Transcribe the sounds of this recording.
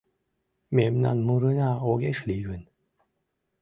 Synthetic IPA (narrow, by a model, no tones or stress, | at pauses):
memna̰nmuɾɯnaoɡeʂliɡɯn